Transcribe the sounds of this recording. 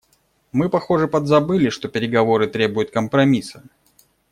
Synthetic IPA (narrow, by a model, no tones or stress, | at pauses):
mɨpɐxo̞ʐɨpəd̪zɐbɨlʲɪʂt̪o̞pʲɪɾʲɪɡɐvo̞ɾɨt̪ɾʲe̞bʊjʊt̪̚kəmpɾɐmʲisə